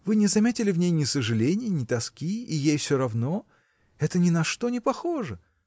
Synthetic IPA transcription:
vɨnʲɪzɐmʲetʲɪlʲɪvnʲejnʲɪsəʐɨlʲenʲɪjənʲɪt̪ɐskʲiijejfsʲoɾɐvno̞ | ɛt̪ənʲɪnɐʂt̪o̞nʲɪpɐxo̞ʐə

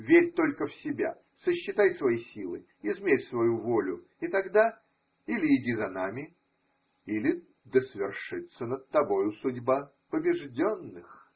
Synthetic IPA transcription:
vʲeɾʲt̪o̞lʲkəfsʲɪbʲa̰ | səɕːɪt̪ajsvɐjisʲilˠɨ | ɪzmʲeɾʲsvɐjuvo̞lʲʊ | ɪt̪ɐɡd̪a | ilʲɪɪdʲizɐnamʲɪ | ilʲɪ | d̪əsvʲɪrʂɨt̪sənət̪̚t̪ːɐbo̞jʊsʊdʲba | pəbʲɪʐdʲonːɨx

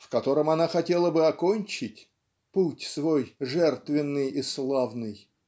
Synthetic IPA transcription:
fkɐt̪o̞ɾəmɐnaxɐtʲe̞lˠəbɨɐkonʲt͡ɕɪtʲ | putʲsvojʐɛrt̪vʲɪnːɨjislˠavnɨj

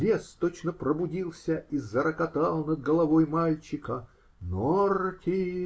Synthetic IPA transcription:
vʲest̪ot͡ɕnəpɾəbʊdʲilˠsʲəizːəɾəkɐt̪ɑlˠnəd̪̚ɡəlˠɐvojmalʲt͡ɕɪkə | nortʲɪ

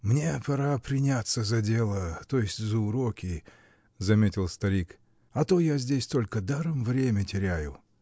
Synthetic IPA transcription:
mnʲe̞pɐɾapɾʲɪnʲat̪səzɐdʲe̞lˠət̪o̞jɪsʲtʲzəʊɾokʲɪ | zɐmʲetʲɪlˠst̪ɐɾʲik | ɐt̪o̞jazʲdʲesʲt̪o̞lʲkəd̪aɾəmvɾʲemʲətʲɪɾʲæjʊ

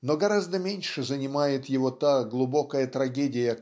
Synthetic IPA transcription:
no̞ɡɐɾazd̪əmʲenʲʂɨzənʲɪmajɪt̪jɪvo̞t̪aɡlˠʊbo̞kəjət̪ɾɐɡʲedʲɪjə

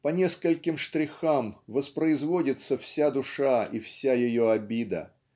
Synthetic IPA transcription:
pɐnʲe̞skəlʲkʲɪmʂt̪ɾʲɪxamvəspɾəɪzvodʲɪt̪səfsʲad̪ʊʂaifsʲajɪjoɐbʲid̪ə̰

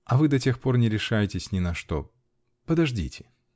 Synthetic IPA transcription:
ɐvɨd̪ɐtʲe̞xpo̞rnʲɪɾʲɪʂajɪtʲɪsʲnʲɪnɐʂt̪o̰ | pəd̪ɐʐdʲḭtʲɪ̥

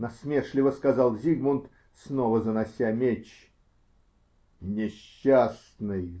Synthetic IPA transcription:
nɐsmʲeʂlʲɪvəskɐzɑlˠzʲiɡmʊnt̪ | snovəzənɐsʲamʲet͡ɕ | nʲɪɕːasnɨj

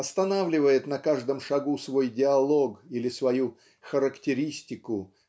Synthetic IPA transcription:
ɐst̪ɐnavlʲɪvəjɪt̪nɐkaʐd̪əmʂɐɡusvo̞jdʲɪɐlˠo̞ɡilʲɪsvɐju | xəɾəktʲɪɾʲisʲtʲɪkʊ

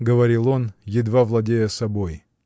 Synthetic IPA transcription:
ɡəvɐɾʲilˠonjɪd̪vavlˠɐdʲejəsɐboj

